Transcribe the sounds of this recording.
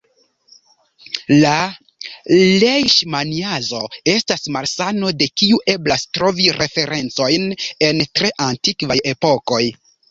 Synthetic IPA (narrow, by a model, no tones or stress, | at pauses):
la | lejʃmaniazo̞e̞stasmalsano̞de̞kiuʔe̞blastɾo̞viɾʔe̞fe̞ɾe̞nt͡so̞jne̞ntɾe̞ʔantikvaje̞po̞ko̞j